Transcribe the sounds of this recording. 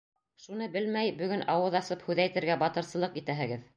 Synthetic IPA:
ʃunɤbɘlmæjbɵ̆ɡɵnʔɑwɤðɑsɤphʉðæjt̪ɘ̆ɾɡæbɑt̪ɤ̆ɾsɤ̆lˠɤqit̪æɦɘ̆ɡɘð

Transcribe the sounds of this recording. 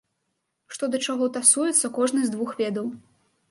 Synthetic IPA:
ʂt̪ɔd̪ɐt͡ʂaɣɔt̪asujɛt̪sːɐkɔʐnɨzd̪vuxvʲɛd̪ɐw

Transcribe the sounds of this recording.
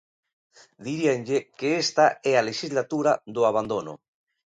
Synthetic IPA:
d̪iɾienʎekeest̪aɛaleʃizlat̪uɾaðoaβ̞and̪ono̰

